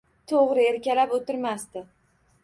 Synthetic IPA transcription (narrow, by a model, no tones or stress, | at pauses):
t̪ʰoʁɾɪeɾkʲalapot̪ɪɾmast̪ɪ